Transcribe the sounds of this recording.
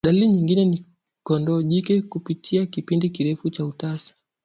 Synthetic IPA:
ɗaliɲiŋɡinɛni | kɔndɔʄikɛkupitʰiakipindikiɾɛfut͡ʃautasḁ

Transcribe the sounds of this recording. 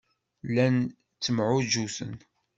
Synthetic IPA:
lːæn | t͡sːəmʕʊʒusə̰n

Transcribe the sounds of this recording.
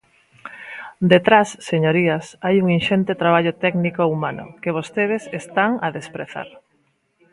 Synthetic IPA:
d̪et̪ɾasːeɲoɾiasajuŋinʃent̪et̪ɾaβ̞aʎʊt̪ɛknikoumanʊ̰keβ̞ost̪eðɪsest̪aŋaðespɾeθa̰ɾ

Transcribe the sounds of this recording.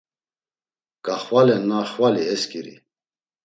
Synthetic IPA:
kaχwalɛnaχwaliɛskiɾḭ

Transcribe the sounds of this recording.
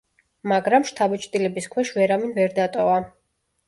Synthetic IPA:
maɡɾamʃt̪ʰabɛt͡ʃʼt̪ʼilɛbiskʰwɛʃvɛɾaminvɛɾd̪at̪ʼɔva

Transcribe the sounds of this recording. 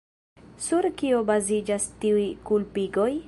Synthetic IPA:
suɾkio̞bazid͡ʒastiujkulpiɡo̞j

